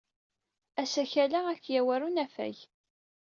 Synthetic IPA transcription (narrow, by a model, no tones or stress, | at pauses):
æsæçælaækːjæwæɾunæfæ̰j